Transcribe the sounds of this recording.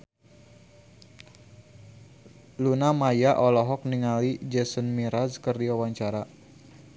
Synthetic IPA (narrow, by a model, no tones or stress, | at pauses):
lunamajaʔɔlɔɦɔk̚niŋalid͡ʒəsənmiɾazkərdiawaɲt͡ʃaɾa